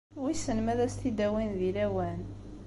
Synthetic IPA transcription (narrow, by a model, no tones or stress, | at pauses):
wisənmæðæst̪id̪æwinðilæwæn